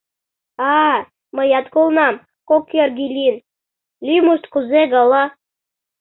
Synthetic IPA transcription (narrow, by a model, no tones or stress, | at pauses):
ɑ | məjɑt̪kulˠnɑm | kokʲːerɡʲilʲin | lʲimust̪kuzeɡɑlɑ